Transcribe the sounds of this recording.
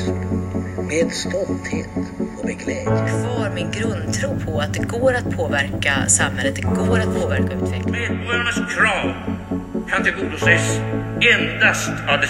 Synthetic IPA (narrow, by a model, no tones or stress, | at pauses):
meːd̪st̪ɔlt̪heːt̪ɔbɛɡlɛːkʰvɑːɾmɪnɡɾɵnd̪̚t̪ʰɾuːpʰɔat̪̚d̪ɛɡoːɾat̪̚pʰoːvæɾkasamhɛlːət̪d̪ɛɡoːɾat̪̚pʰoːvæɾkaʉ̟ːt̪vɛklmeːd̪bœːnəskʰɾɑːm | kʰand̪ɛɡud̪ʊsɛsɛnd̪ast̪avd̪ɛ